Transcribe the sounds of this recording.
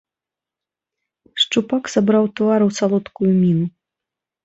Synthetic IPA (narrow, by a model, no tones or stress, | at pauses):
ʂt͡ʂupaksabɾawt̪vaɾɨwsalˠɔt̪kujumʲinu